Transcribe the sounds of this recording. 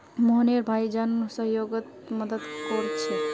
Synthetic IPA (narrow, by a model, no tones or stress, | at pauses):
moɦneɾbʱaid͡ʒansəɦjoɡət̪ | məd̪əd̪kɔɾt͡ʃʰɛ